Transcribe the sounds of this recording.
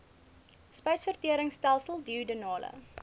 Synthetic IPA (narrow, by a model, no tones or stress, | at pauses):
spɛjsfərtiəɾəŋstælˠsəlˠdiudənɑːlə̰